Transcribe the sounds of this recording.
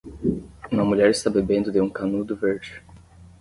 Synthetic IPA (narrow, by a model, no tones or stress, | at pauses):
ũmɐmuʎɛɾist̪abebẽnd̪ʊd̪eũkanud̪ʊveɾd͡ʒɪ